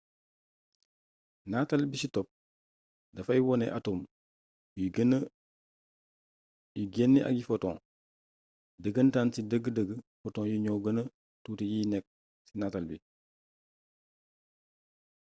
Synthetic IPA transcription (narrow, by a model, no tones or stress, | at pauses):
natalbisitɔp̚ | dɐfajwɔnɛ̰ʔatum | jɡn | juɡenːiʔa̰ɡifɔtɔ̰̃ŋ | dəɡəntansidəɡədəɡəfɔtɔ̃ːŋjuɲoɡənə | tuːtejinɛk̚ | sinatalbi